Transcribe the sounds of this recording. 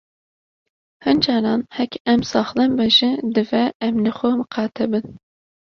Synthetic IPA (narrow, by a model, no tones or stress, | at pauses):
hɨnd͡ʒɑːɾɑːnhɛkɛmsɑːxlɛmbɛʒɪd̪ɨvɛɛmlɨxʷomɨqʰɑːt̪ʰɛbɨn